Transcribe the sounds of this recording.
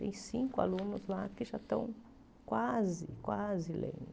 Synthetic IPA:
t̪ḛ̃j̃sĩŋkʊa̰lũnʊzlakɪʒat̪ɐ̰̃w̃ | kwazɪkwazɪlḛ̃d̪

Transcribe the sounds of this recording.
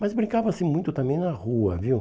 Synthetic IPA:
mɐzbɾĩkavɐsĩmũj̃t̪ʊt̪ɐ̃mbẽj̃nɐʁuɐ̰viw

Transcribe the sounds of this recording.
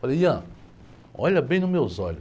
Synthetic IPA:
fɐlejɐ̃ | ɔ̰ʎɐbẽj̃nʊmewzɔʎʊ

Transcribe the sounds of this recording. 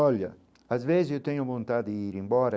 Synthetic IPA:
ɔʎjɐ | azvezzewt̪ɛɲʊvolunt̪ad̪ɪiɾimbɔɾɐ

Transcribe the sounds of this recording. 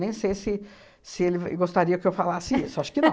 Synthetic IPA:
nẽj̃sejsɪ | sɪelɪv̰ɡost̪aɾiɐkɪewfalasɪisoaʃʊ̥kɪnɐ̃

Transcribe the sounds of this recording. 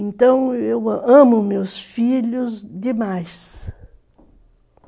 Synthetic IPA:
ẽnt̪ɐ̃w̃ewɐ̃mʊmewsfiʎʊzd̪ɪmajs

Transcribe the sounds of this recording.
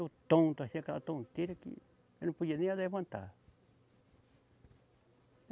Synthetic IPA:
jut̪õt̪asãkat̪õt̪iɾakḭ | enũpujenĩaðaβãnt̪a̰

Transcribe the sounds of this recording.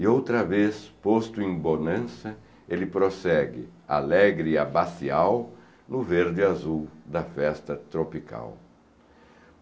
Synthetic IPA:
iowt̪ɾɐvespost̪ʊẽbonɐ̃sɐ | elɪpɾosɛɡɪa̰lɛɡɾɪiabasiaw | nʊveɾd̪ɪazuwd̪ɐfɛst̪ɐt̪ɾopikʰa̰w

